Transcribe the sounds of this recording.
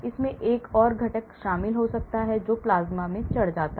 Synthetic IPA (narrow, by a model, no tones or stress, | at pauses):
ɪsmẽʔeːkɔːɾɡʱɐʈəkʃaːmɪlɦosɐk̚t̪aɦɛd͡ʒoːplaːzmamẽt͡ʃɐɽd͡ʒaːt̪a